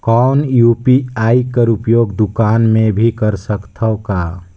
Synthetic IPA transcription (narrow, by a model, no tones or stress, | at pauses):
kɔːnjupiaikəɾupjoːɡd̪ukaːnmẽbʱikəɾsəkt̪ʰəka